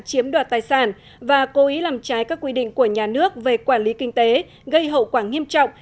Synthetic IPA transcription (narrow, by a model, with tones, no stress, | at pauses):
t͡ɕi˨˦əmɗwaː˨˩t̚t̪aː˨˩jsaː˧˩n | vaː˨˩ko˨˦ʔi˨˦laː˨˩mt͡ɕaː˨˦jkaː˦˥k̚wi˧ɗḭ˧˨ŋ̟ku˧˩əɲaː˨˩nɨ˦˥ək̚ve˨˩kwaː˧˩nli˨˦kï˧ŋ̟t̪e˨˦ | ɣə˧jɦə̰˧˨wkwaː˧˩ŋi˧əmt͡ɕɔ̰˧˨wŋ͡m